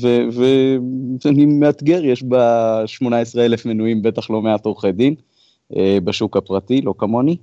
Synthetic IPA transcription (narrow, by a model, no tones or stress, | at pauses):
veve | animeat̪ɡe̞ʁjeʃbaʃmo̞naesʁeele̞fmenuimbe̞t̪aχlo̞meat̪o̞ʁχed̪im | ebaʃukapʁat̪ilo̞kamo̞ni